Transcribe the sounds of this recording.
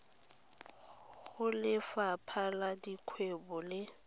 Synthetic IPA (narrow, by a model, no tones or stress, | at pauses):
ɣʊlɪfapʰaladikʰwebɔlɪ